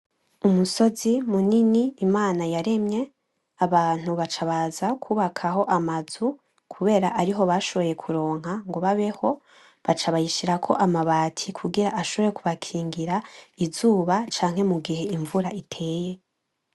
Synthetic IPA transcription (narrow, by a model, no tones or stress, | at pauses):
umuso̞zimuniniːmaːnajaɾe̞mɲe̞ | aβaːn̥huβat͡ʃaβazakʰuːβakʰaɦo̞ʔamazu | kʰuβe̞ːɾaʔaɾiɦo̞βaʃo̞βo̞je̞kʰuɾo̞ːŋ̥haŋɡoβaβe̞ho̞ | βat͡ʃaβajiʃiɾakʰo̞̰ʔamaβaːtʰikʰuɡiɾaʔaʃo̞βo̞je̞kuβakʰiːŋɡiɾaizuːβat͡ʃaːŋ̥he̞muɡihe̞iɱvuɾaʔitʰe̞ːje̞